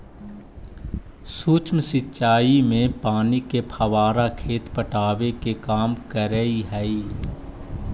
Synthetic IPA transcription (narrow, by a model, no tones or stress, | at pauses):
suːt͡ʃmsɪt͡ʃaːimẽpaːnikepʰəʋaːɾakʰeːt̪pəʈaːʋekekaːmkəɾəiɦɛi